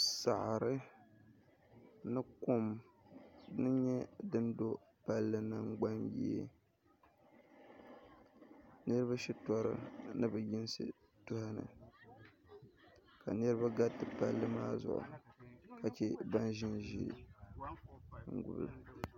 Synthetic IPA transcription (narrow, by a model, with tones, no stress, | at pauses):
sa˨ʔɾɨ˦ | nɨ˦ko˦m | ɨ˦ɲɛ˦dɨ˦ndo˦ | pa˦lːɨ˦nɨ˦˨ŋɡ͡ba˦mjḭ˦ḛ˦ | nɨ˦ɾɨ˦ba˦ʃi˦tɔ˦ɾɨ̰˦nɨ˦bɨ˨jɪ˦nsɨ̰˦˨ | tʊ˦ha˦nɨ̰˨ | ka˨nɨ˦ɾɨ˦ba˦ɡa˦tːɨ˨pa˦lːɨ˦maː˦zʊ̰˨ʔʊ̰˨ka˨t͡ʃɛ˦ba˦nʒɪ˦nʒḭ˦ɾ̰ | ŋ̩˨ɡʊ̰˦bla˨